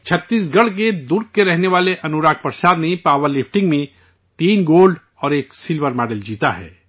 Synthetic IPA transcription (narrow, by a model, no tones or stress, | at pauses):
t͡ʃʰɐt̪ːiːs̬ɡɐɽ̤k̬ed̪ʊɾkːeɾɛɦneʋaːleʔɐnuɾaːk̚pəɾʃaːd̪nɐĩpaːʋəɾlɪfʰʈɪ̃ŋɡmẽ | t̪iːnɡoːlɖ | ɔːɾeːksɪlʋəɾmɛːɖəld͡ʒiːt̪aɦɛ̰ː